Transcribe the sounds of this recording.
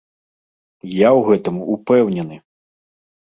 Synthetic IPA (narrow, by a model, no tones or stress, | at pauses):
jawɣɛt̪ɐmuupɛwnʲɛnɨ